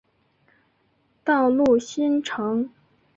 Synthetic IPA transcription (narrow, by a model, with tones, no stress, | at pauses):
t̪ɑ˥˧ʊlu˥˩ɕi˥nʈ͡ʂʰɤ˧˥ŋ